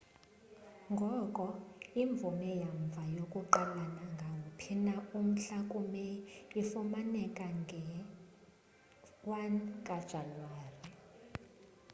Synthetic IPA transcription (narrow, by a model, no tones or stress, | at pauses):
ŋɡʱɔkʼɔiɱb̪vumɛjaɱb̪vʱajokʼuǃalanaŋɡʱaŋʱupʰinaum̩ɬakʼumɛifumanɛkʼaŋʱɛ | wankʼad̥ʒ̥ʱanwaːri